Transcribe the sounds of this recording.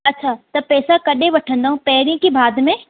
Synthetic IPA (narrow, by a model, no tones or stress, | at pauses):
ɐtːɕʰat̪ɐpɛːsakɐɗẽʋɐʈʰə̃nd̪aːɦũpɐɦɪɾijə̃kibaːd̪ʱmẽ